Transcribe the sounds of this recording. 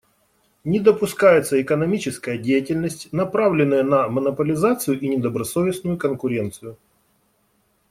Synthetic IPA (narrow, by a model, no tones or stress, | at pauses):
nʲɪd̪əpʊskajɪt̪səɪkənɐmʲit͡ɕɪskəjədʲejɪtʲɪlʲnəsʲtʲnɐpɾavlʲɪnːəjənɐmənəpəlʲɪzat̪sɨjʊʔinʲɪd̪əbɾɐsovʲɪsnʊjʊkənkʊɾʲe̞nt̪sɨjʊ